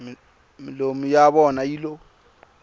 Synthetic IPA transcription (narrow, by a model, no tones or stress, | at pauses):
mɪlomijaβɔnailo